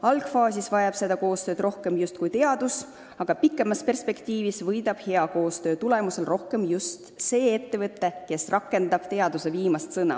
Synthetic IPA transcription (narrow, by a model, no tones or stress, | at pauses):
ɑlɡ̥fɑːsʲisvɑjɑb̥se̞d̪ɑko̞ːst̪ø̞ːd̪ro̞hke̞mjust̪kujt̪e̞ɑd̪̥us | ɑɡ̥ɑpikˑːe̞mɑspe̞rspe̞kt̪iːvisvɤjd̪ɑb̥he̞ɑko̞ːst̪ø̞ːt̪ule̞muse̞lro̞hke̞mjust̪se̞ːet̪ːe̞vɤt̪ːe̞ke̞srʔɑkːˑe̞nd̪̥ɑb̥̚t̪e̞ɑd̪use̞viːmɑst̪sɤnɑ̰